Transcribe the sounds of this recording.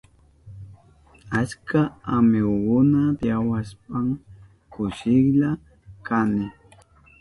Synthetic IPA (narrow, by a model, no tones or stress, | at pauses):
at͡ʃkaamɪwɢʊnad̪jawasp̚aŋ | kʊʃɪkʎa | kanɪ